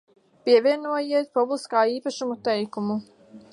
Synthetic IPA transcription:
piɛvʲiɛnuɔjiɛt̪̚publˠiskaːiːpaʃumut̪ɛjkumu

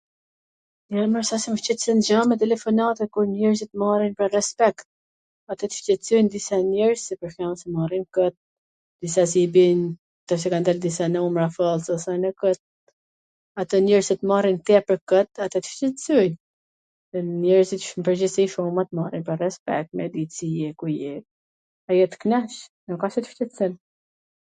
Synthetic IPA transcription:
naməɾsasɛməʃt͡ʃɛt̪sɛnd͡ʑamɛt̪̬ɛlɛfɔnat̪ɛkuɾnɛɾzit̪marinpɾarɛspɛkt̪̚ | at̪ɛt̪ə̥ʃt͡ʃɛt͡sujnd̪isanɛɾzsipəɾxansɛmarinkət̪̚ | d̪̥isasibin | t̪ɛs̬ɛkand̪ald̪isanɛumɾafəlˠsɔsɛnəkət̪̚ | at̪ənɛɾsɛt̪əmarint̪ɛpəɾkət̪at̪ɛt̪ə̥ʃcɛt̪sujn | nɛɾsit̪ʃmpəɾd͡ʑisiʃɔmat̪əmarinpərːɛspɛ̰k̚t̪mɛd̪isiɛkujɛ | ajɛt̪ə̥knɛʃ | nəkasɛt̪ə̥ʃcɛt̪sɛn

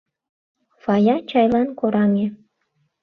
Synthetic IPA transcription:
fɑjɑt͡ɕɑjlɑnkoɾɑme

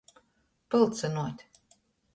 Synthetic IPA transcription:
pɨlˠt̪sɨnuɔt̪ʲ

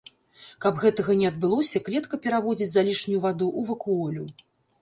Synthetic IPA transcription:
kɐbɣɛt̪ɐɣɐnʲɛɐd̪̚bɨlˠɔsʲɐklʲɛt̪kɐpʲɛɾavɔd͡zʲit͡sʲzalʲiʂnʲujuvad̪uʔuvɐkuɔlʲu

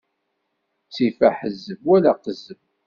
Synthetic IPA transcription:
sifæħəzːəvwælaqəzəmv

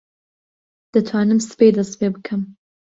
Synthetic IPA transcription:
d̪̥ɐt̪ʰwaːnɨmsɨ̥pejd̪ɐspebɨkʰɨm

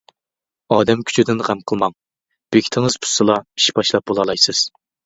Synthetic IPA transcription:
ɑːd̪ɛmkʲʰy̥t͡ʃʰyd̪ɪnʁæmqʰəlˠmɑŋ | b̥ekʲʰi̥t̪ʰɪŋɨz̥pʰu̥sːɨlˠɑi̥ʃbɑʃlˠɑp̚bolˠɑlˠɑjsɨz̥

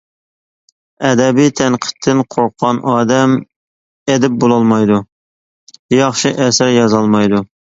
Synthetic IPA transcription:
ɛd̪ɛbijt̪ʰɛnqʰə̥t̪ʰːɪnqʰoqːɑnʔɑːd̪ɛm | ed̪ɪp̚bolˠɑlˠmɑjd̪u | jɑχʃiʔɛsæɾjɑzɑlˠmɑjd̪u

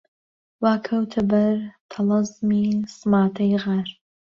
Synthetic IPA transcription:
waːkʰɐwt̪ʰɐbɐɾt̪ʰɐlˠɑzmiːsɨmaːt̪ʰɐjɣaɾ

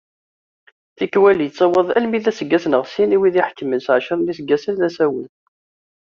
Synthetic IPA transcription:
θikːwælit͡sːɑwəðˤæ̰lmiðæsəɡːæsnəʁsiniwiðiħkːəmənsʕʃəɾˤmisəɡːæsənðæsæwə̰n

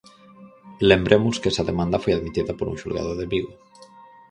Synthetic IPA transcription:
lembɾʔemʊskɛsɐðemãnd̪ɐfojaðmit̪iðɐpoɾṵŋʃulɣa̰ðʊðeβiɣo

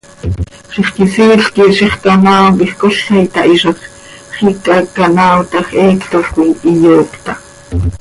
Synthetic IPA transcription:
ʃiχkisiːɬkiʃiχkanaːwkiχkoɬɛjt̪ɑʔiʃɑχ | χikɑkanaːwt̪ɑxʔɛːkt̪oɬkʷiʔijoːkt̪ɑ

